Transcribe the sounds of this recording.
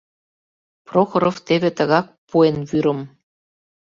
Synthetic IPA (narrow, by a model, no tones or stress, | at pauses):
proxoɾoft̪eβĕt̪ə̆ɣɑk̚puenβyɾɤ̆m